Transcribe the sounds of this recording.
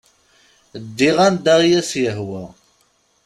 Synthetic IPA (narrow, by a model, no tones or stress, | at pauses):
d̪ːiʁænd̪aʁjæsjəɦwæ